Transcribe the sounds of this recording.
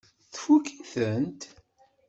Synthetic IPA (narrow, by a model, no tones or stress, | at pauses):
θfukiθənt̪